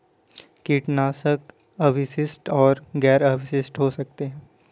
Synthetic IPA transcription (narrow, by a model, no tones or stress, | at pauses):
kiːʈnaːsək | ɐʋɪsɪsʈɔːɾɡɛːɾəːʋɪsɪsʈɦoːsɐk̚t̪eɦɛ̃ː